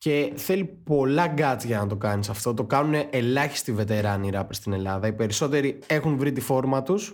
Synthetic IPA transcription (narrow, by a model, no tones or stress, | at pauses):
ce̞θe̞lipo̞lɐɡɐt͡sʝɐnɐt̪o̞kɐnisɐft̪o̞t̪o̞kɐnune̞ʔelɐçi̥st̪ive̞t̪e̞ɾɐniɾɐpɾist̪ine̞lɐðɐipe̞ɾiso̞t̪e̞ɾie̞xunvɾit̪ifo̞ɾmɐt̪us